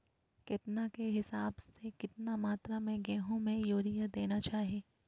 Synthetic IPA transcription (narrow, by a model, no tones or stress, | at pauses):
kɪt̪nakeɦɪsaːbsekɪt̪namaːt̪ɾamẽɡɛːɦõmẽjoːɾijad̪eːnat͡ʃaːɦieː